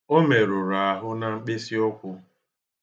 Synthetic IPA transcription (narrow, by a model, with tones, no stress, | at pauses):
o˦me˨ɾʊ˨ɾa˨a˨ɦʊ˦na˨ŋ͡m̩˦k͡pe˦si˦ɔ˦kʷʊ˦